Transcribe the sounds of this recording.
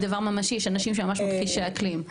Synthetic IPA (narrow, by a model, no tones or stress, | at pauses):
d̪avaʁmamaʃijɛʃanaʃimʃemamaʃmot̪χiʃeaklim